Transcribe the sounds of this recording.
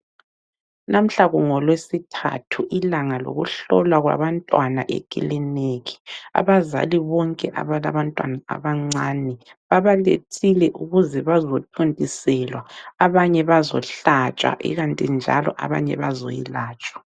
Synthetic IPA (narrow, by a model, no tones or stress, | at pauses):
nʔam̩ɬaɣuŋɔlwesitʰa̰tʰuʔilaŋalo̰ɣṵɬɔlwaɣwa̰βantʼwanaʔḛkʼḭlɛneɣi̥a̰βaza̰liβɔŋkʼɛʔa̰βalaβantʼwanaa̰βaŋ͡ǀaːnɛβaβalḛtʰilɛʔuɣuzɛβazotʰuntʼisɛlwaːβaɲɛβazɔɬat͡ʃʼa̰ʔḭɣantʼind͡ʒʱa̰lɔ̰ʔaβa̰ɲɛ̰βazojḭlaːt͡ʃʼwḁ